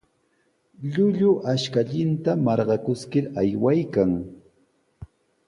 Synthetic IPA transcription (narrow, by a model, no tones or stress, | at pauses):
ʎʊʎʊʔaʃkaʎɪnt̪amɑɾɢɑkʊskɪɾajwajkaŋ